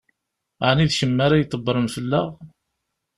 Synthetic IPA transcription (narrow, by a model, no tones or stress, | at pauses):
ʕniðçəmːaɾajt̪ˤːəbːɾˤənfəlːa̰ʁ